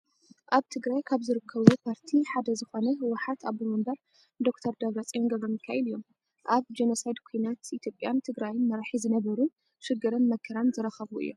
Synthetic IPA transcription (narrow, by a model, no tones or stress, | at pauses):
ʔaβt̪ʰɨɡɾajkʰaβzɨɾɨkʰːɐβupʰaɾt̪ʰiħad̪ɐzɨxo̞nɐɦɨwːʊħat̪aβɨmɐmbɐɾ | d̪o̞kt̪ʰɐɾd̪ɐβɾɐt͡sʼijonɡɐβɾomjɪkʰːajɛlɨjːo̞m | ʔaβd͡ʒenosajd̪kʰujnat̪it̪ʰjo̞pʼːjant̪ʰɨɡɾajɪnmɐɾaħizɨnɐβɐɾun | ʃɨɡɨɾɐnmɐkʰɐɾanzɨɾɐxɐβuʔɨ̰jːom